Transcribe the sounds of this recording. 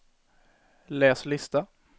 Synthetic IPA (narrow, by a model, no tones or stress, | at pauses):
leːslɪst̪a